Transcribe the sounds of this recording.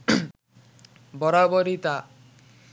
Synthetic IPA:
bɔɾabɔɾit̪a

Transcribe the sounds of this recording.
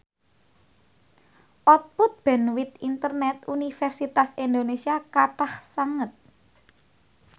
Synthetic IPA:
ʔɔt̪̚pʊt̪̚b̥ɛ̤nwit̪int̪ərnɛt̪̚unifɛrsit̪asind̪onesiakaʈahsaŋət̪̚

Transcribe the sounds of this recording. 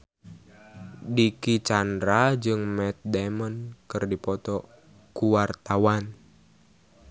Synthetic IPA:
dikit͡ʃandɾad͡ʒɨŋmɛt̪̚dɛmənkɨrdipɔt̪ɔ | kuwart̪awan

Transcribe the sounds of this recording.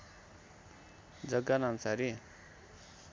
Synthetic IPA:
d͡zʌɡanʌmsaɾi

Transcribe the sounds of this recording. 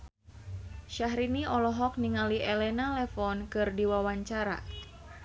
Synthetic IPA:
ʃaɦɾiniʔɔlɔɦɔk̚niŋaliʔɛlɛnalɛfɔnkɨrdiwawaɲt͡ʃaɾa̰

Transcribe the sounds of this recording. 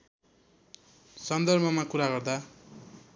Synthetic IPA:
sʌnd̪ʌrbʱʌmakuɾaɡʌrd̪a

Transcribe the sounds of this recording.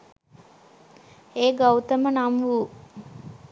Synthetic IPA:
eːɡɐwt̪ɐmənamʋuː

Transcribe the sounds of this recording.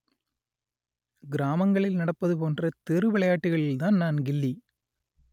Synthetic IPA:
ɡɪɾaːmɐŋɡɐɭɪlnɐɽɐpːɐðɯpoːndrɐt̪ɛrɯʋɪɭɐjaːʈːɯɣɐɭɪlt̪aːnnaːnɡɪlːi

